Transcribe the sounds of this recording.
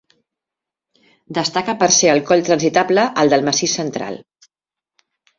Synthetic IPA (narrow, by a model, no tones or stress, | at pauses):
d̪əst̪akəpəɾseəlˠkɔʎt̪ɾənzit̪abləʔəlˠd̪əlˠməsisənt̪ɾa̰lˠ